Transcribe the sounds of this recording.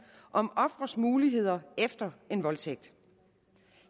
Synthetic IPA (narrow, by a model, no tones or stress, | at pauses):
ʔɒ̽mɒ̽fʁɐsmuːliɦe̝ð̞̰ˠɐefd̥ɐe̝nʋɒ̽lt͡sʰeɡ̥̚d̥